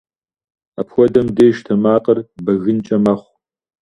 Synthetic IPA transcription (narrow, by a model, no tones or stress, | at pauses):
apxʷɔdɐmdeːʒtʰɐmaːqʼɐrbɐɣɨnt͡ʃʼɐmɐχʷ